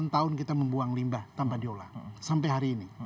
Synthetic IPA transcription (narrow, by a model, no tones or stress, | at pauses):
nt̪aʊnkit̪aməmbuaŋlimbaht̪ampadiola̰sampajɦaɾiːni